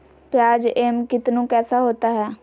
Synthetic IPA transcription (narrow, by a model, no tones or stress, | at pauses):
pjaːd͡ʒeːmkɪt̪nũːkɛːsaːɦoːt̪aːɦɛː